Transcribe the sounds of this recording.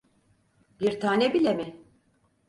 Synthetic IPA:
biɾt̪ʰaːnɛbilʲemɪ

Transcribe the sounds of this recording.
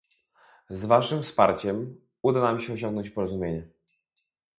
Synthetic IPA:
zvaʂɘmfspa̰ɾt͡ɕɛm | ud̪anamɕɛɔɕ̬ɔ̃ŋɡnɔɲt͡ɕpɔɾɔzumʲjeɲɛ

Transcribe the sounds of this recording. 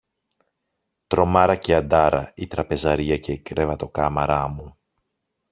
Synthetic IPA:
t̪ɾo̞mɐɾɐceɐd̪ɐɾɐit̪ɾɐpe̞zɐɾiɐce̞kɾevɐt̪o̞kɐmɐɾɐmu

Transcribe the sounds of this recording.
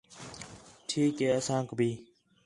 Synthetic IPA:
ʈʰiːkeːəsãːkbiː

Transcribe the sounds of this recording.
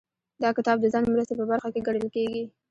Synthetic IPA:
d̪ɑkɪt̪ɑb̚d̪əzɑnmɾəst̪epəbaɾxakeɡaɽəlkeɡi

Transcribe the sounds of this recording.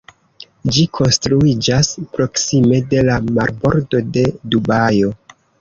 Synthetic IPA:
d͡ʒikʰo̞nstɾuid͡ʒaspɾo̞ksime̞de̞lamaɾbo̞ɾdo̞de̞dubajo̞

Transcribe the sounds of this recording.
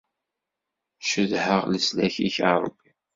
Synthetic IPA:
ʃəðhəʁləslæçiçaɾˤəbːi

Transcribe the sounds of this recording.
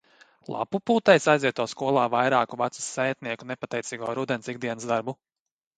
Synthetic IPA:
lˠa̰pupuːt̪ɛjsajziɛt̪uɔskuɔlˠaːvajɾaːkuvat̪su̥sɛjt̪̚niɛkunepat̪ɛjt̪siːɡuɔːɾud̪ɛnsiɡ̚d̪iɛnsd̪aɾbu

